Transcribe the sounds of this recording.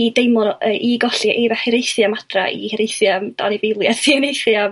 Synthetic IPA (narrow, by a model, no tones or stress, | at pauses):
idejmɔnəːʔiɡɔɬiʔivɛhɪɾejθjamad̥ra̰ḭhɪɾejθjamd̥a̰nivejlˠjasinejθjam